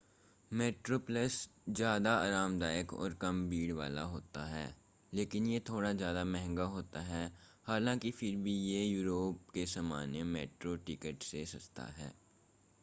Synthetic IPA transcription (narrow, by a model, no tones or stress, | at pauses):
meːʈɾoːpləszjaːd̪aaːɾaːmd̪aːjəkɔ̰ːɾkɐmbiːɽʋa̰ːlaɦoːt̪aɦɛ̰ː | leːkɪnjet̪ʰoːɽazjaːd̪amɛɦɛ̃ŋɡaɦoːt̪aɦɛːhaːlãːkifɪɾbʱijejuːɾoːp̚kesɐmaːnemɛːʈɾoʈɪkəʈsesɐst̪a̰ɦɛ̰ː